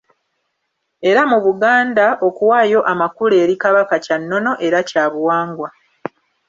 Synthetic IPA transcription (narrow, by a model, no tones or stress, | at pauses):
e̞ɾamuβuɡaːndao̞kuwaːjo̞ʔamakule̞ːɾikaβakacanːo̞no̞ʔe̞ɾacaːβuwaːŋɡwa